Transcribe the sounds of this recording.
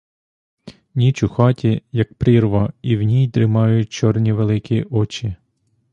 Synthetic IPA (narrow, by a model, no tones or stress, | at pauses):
nʲit͡ʃʊxɑtʲijɐk̚pɾɪrʋɐiwnʲijd̪ɾɪmɑjʊt̚ʲt͡ʃɔrnʲiʋelˠɪkʲiʔɔt͡ʃʲi